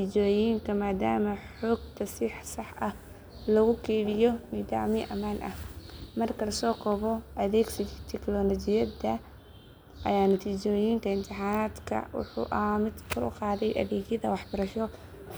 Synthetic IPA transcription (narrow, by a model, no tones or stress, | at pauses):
t̪ʰiːt͡ʃɔːjiːŋkʰɐmaːd̪aːmɐħɔːɡ̚t̪ʰɐsɪħsɑħʔɐh | lɐɣʊkʰɛːlɪjɔniːd̪a̰ːʕmɪʔɐ̰maːnʔɐ̰hmɐrkʰɐlɐsɔːkʰɔːβɔʔɐðɛːɡsɐjt̪ʰɛklɔlɔt͡ʃɪjɐd̪ɐ | ʔɐ̰jaːnɐt̪ʰiːt͡ʃɔːjiːŋk̪ʰɐɪnt̪ʰɪħaːnaːd̪kʰɐ̰wʊ̰ħṵːʔɐhmɪd̪kʰʊlʊ̰qɑːðɛjʔɐ̰ðɛːɣjɐðɐwɑħbɐɾɐʃɔ